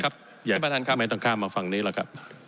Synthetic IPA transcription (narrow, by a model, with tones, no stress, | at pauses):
kʰa˦˥p̚ | jaː˨˩a˧a˧˩a˦˥maː˨˦jt̪ɔ˥˧˩ŋkʰaː˥˩ŋmaː˧fa˧ŋniː˦˥la˧˩kʰa˦˥p̚